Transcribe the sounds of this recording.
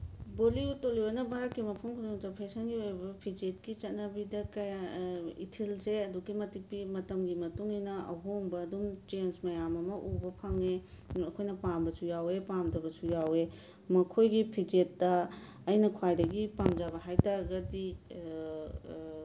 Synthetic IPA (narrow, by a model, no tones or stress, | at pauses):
boliutːolionɐbʱaɾɐkːimɐpʰumkʰuɾuŋtɐpʰesɐnɡiojbɐpʰid͡ʒet̚kit͡ʃɐt̚nɐbidɐkɐjaḭtʰilseɐdukimɐtik̚pimɐtɐmɡimɐtuŋinɐɐ̰ɦoŋbɐːdumt͡ʃensmɐjamɐmɐʔubɐpʰɐŋe | ɐkʰojnɐpambɐsujawepamdɐbɐsujawe | mɐkʰojɡipʰid͡ʒetdɐː | jnɐkʰwajdɐɡipamd͡ʒabɐɦajtaɾɐɡɐdi